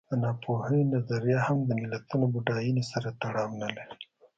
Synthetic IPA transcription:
ənɑpʰohəjenazaɾjahamd̪əmɪlat̪unobʊɖɑjinesaɾat̪aɽɑmanəle

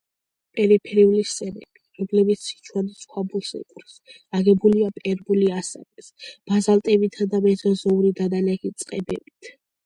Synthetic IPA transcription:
pʼɛɾipʰɛɾiulist̪ʼɛɾɛ̰biɾɔmlɛbit̪sʰi̥t͡ʃʰwanisχwabulˠsɛ̰kʼɾs | aɡɛbuliapʼɛɾbuliasa̰vɛsb̥azalt̪ʼɛbit̪ʰad̪amɛzɔzɔuɾid̪ad̪anaɡit̪sʼqʼɛbɛbit̪ʰ

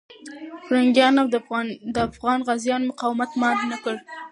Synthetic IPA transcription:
xɾaŋɡjɑnamd̪əafɣɑnɣazjɑnmʊqɑwmat̪mɑdnakəɽ

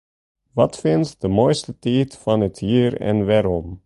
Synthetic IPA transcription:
ʋɑtfɪntdəmoːjstətɛːtfɑnəthiːɾɛ̰nʋaːɾɔm

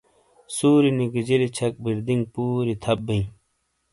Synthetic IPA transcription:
suːɾiniɡid͡ʑilit͡ɕʰɐk̚biɾd̪iŋɡpuːɾit̪ʰɐbːiĩ

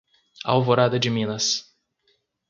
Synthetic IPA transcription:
a̰wvoɾad̪ɐd͡ʒɪmĩnɐs

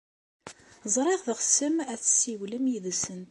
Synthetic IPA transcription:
zˤɾˤɪʁðəχsəmæθsːiwləmjiðsənt̪

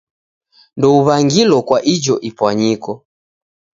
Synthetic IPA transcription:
ndɔuβaŋɡilɔkwaʔid͡ʒɔʔipwaɲikɔ

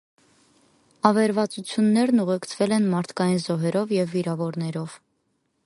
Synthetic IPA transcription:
ɑvɛɾvɑt͡sut͡sʰjunːɛɾnuʁɛkt͡sʰvɛlɛnmɑɾt̪ʰkɑjinzɔɦɛɾɔvjɛvːiɾɑvɔɾnɛɾɔv̥

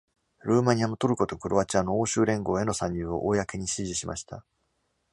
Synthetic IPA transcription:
ɾɯ̟ːmaɲ̟iamot̪o̞ɾɯ̟kot̪o̞kɯ̟ɾo̞βat͡ɕãnːooːɕɨːɾẽ̞ŋɡo̞ːe̞no̞sãɲ̟jɯːo̞̰ʔoːjakeɲ̟iɕiʑiɕimʔa̰ɕi̥t̪a̰

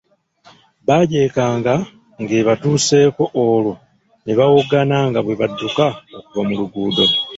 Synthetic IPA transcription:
βaɟe̞ːkaːŋɡa | ŋɡe̞βatuːse̞ːko̞ʔːlo | neβawoɡanaŋɡaβwe̞βadːukaokuvamuluɡuːdo̞

